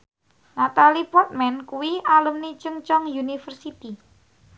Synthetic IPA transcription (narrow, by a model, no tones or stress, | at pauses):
nat̪alipɔrt̪̚mɛnkuwialəmnit͡ʃəŋt͡ʃɔŋjunifərsit̪i